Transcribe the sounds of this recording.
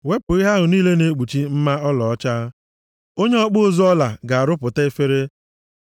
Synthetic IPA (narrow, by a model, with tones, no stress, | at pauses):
we˦pʊ˨i˦ɦa˦ɦʊ˨niː˦le˦ne˨˦k͡pu˨t͡ʃi˦m̩˦ma˦ɔ˦lɔ˨ɔ˦t͡ʃa˦ | o˦ɲe˦ɔ˦k͡pʊ˦zɔ˦ɔ˦la˨ɡa˨a˨ɾʊ˦pʊ˨ta˦e˦fe˦ɾe˦